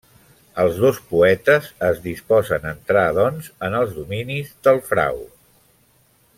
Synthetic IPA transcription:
əlˠzðospuɛt̪əzəzðispɔzənənt̪ɾaðɔnzənəlˠzðuminizðəlˠfɾa̰w

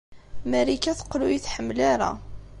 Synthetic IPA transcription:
mæɾikːæθə̥qlujiθħəmːlaɾa̰

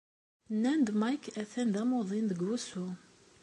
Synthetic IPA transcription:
nːænd̪mɑjkæθænd̪æmoðˤinðəɡːusu

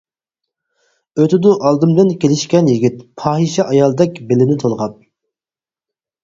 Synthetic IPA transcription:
øt̪ʰɪd̪ʊʔɑlˠd̪ɨmd̪ɨnkʲelɪʃkʲɛnjiɡʲit̪pʰɑːɦiʃɛʔɑjɑlˠd̪ɛkʲbelɪnɪt̪ʰolˠʁɑp̚

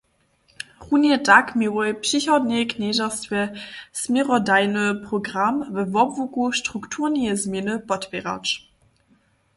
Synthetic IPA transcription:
ʁunjɛtakmiwɔpʃiçɔdneknɛʒastvʲɛsmʲiʁɔdajnəpʁoɡʁamvəvɔbvukuʃtʁ̥uktʰuʁnizmʲjenəpɔtpʲeʁa̰t͡ʃ

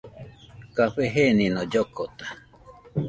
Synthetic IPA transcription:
kaɸeɦenĩnõd͡ʒokot̪ḁ

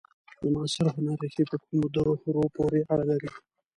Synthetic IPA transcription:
d̪əmɑːsɪɾɦʊnaɾaket̪əkumod̪aɾohɾopoɾeaɽalaɾi

